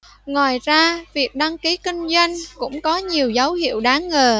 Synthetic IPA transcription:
ŋwaː˨˩jzaː˧vi˨˩ək̚ɗa˧ŋki˨˦kï˧ŋ̟zwa˧jŋ̟kʊ̰˧˥ŋ͡mkɔ˨˦ɲi˨˩əwzə˨˦whḭ˧˨əwɗaː˨˦ŋŋəː˨˩

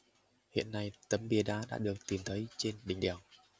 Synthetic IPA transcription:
hḭ˧˨ənːa˧jt̪ə˨˦mɓi˨˧˩əɗaː˨˧˦ɗa̰ː˧˥ɗɨ˨˩ək̚t̪i˨˩mt̪ʰə˨˦jt͡ɕe˧nɗï˨˩ŋ̟ɗɛ˨˩w

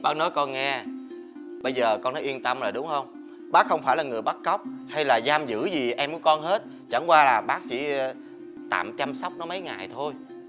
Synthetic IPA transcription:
ɓaː˦˥k̚nɔ˨˦jkɔ˧nŋɛ˧ | ɓə˧jzəː˨˩kɔ˧nɔ˨˦ʔi˧ənt̪ə˧mlaː˨˩ɗʊ˨˦wŋ͡mhə˧wŋ͡m | ɓaː˦˥k̚xə˧wŋ͡mfaː˧˩jlaː˨˩ŋɨ˨˩əjɓa˦˥t̚kə˦˥wk͡p̚ha˧jlaː˨˩zaː˧mzɨ̰˧˥zi˨˩ʔɛ˧mku˧˩˦kɔ˧nhe˦˥t̚ | t͡ɕa̰˧˩ŋkwaː˧laː˨˩ɓaː˦˥k̚t͡ɕi˧˩ | t̪a̰ː˧˨mt͡ɕa˧msa˦˥wk͡p̚nɔ˨˦mə˨˦jŋaː˨˩jt̪ʰo˧j

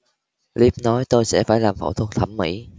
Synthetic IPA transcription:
li˦˥p̚nɔ˨˦jt̪o˧jsɛ̰˧˥faː˧˩jlaː˨˩mfo̰˧˩wt̪ʰwə˧˩t̪ʰə˧˩mːḭ˧˥

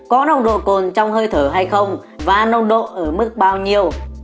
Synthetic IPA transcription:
kɔ˨˦nə˧wŋ͡mɗo̰˧˨ko˨˩nt͡ɕɔ˧wŋ͡mhəː˧jt̪ʰəː˧˩ɦa˧jxə˧wŋ͡mvaː˨˩nə˧wŋ͡mɗo̰˧˨ʔəː˧˩mɨ˦˥k̚ɓaː˧wɲi˧əw

